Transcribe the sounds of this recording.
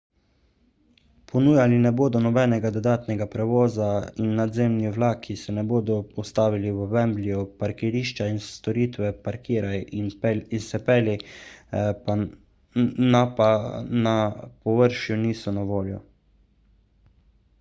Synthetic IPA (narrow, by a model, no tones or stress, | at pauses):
pʰɔnuːjalinɛboːd̪ɔnɔbɛːnɛɡad̪ɔd̪aːt̪nɛɡapɾɛʋɔːzainːad̪zeːmniʋlaːkʰisɛnɛboːd̪ɔɔst̪aːʋiliwɔvɛmbliɔpaɾkiɾiːʃt͡ʃainst̪ɔɾiːt̪ʋɛpaɾkiːɾajinsɛpɛli | a | napanapɔʋəɾʃjuniːsɔnaʋoːljɔ̰